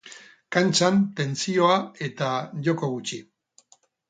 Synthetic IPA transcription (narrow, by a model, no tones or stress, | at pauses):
kant͡ʃant̪e̞nt͡sio̞ae̞t̪aʝo̞ko̞ɣ̞ut͡ʃi